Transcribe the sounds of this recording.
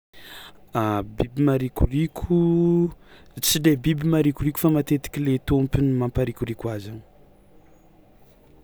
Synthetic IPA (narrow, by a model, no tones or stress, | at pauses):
abibimaɾikʲurikʲʰu | t͡sid̪ebibimaɾikuɾikʲu̥famat̪et̪i̥kʲilet̪ompinimampaɾikʲuɾikwazan̥